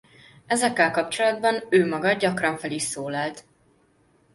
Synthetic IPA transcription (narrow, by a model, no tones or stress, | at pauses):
ɛzɛkːɛlkɒpt͡ʃo̞lɒd̪bɒnøːmɒɡɒd̪ɟɒkrɒɱfɛliʃsoːlɒlt̪